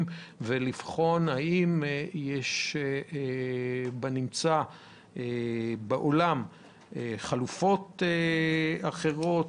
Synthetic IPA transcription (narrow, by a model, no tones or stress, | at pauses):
mvelifχo̞nhaimjeʃ | banimt͡sa | ebeʔolam | eχalufo̞t̪eaχe̞ʁo̞t